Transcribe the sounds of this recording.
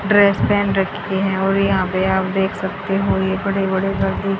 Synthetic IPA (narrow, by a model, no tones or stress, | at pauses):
ɖɾeːspɛ̃ːnɖɾɐkʰteɦɛ̃ɔːɾjɐɦãpeaːpd̪eːkʰsɐk̚t̪eɦojebɐɽebɐɽeɡɐɾd̪i